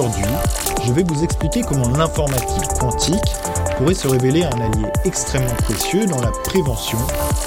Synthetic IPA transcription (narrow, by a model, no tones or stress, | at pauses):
uʁd̪ɥi | ʒəvɛvuzɛksplikʲekəmɔ̃nɛ̃fɔʁmat̪ʰikkɑ̃t̪ʰik | puʁɛsəʁeveleɛ̃naljeɛkst̪χɛmːɑ̃pχesjød̪ɑ̃lapχevɑ̃sjɔ̃